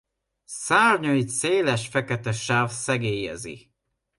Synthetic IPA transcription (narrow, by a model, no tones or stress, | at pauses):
saːrɲoiseːlɛʃfɛkɛt̪ɛʃaːvsɛɡeːjɛ̰zḭ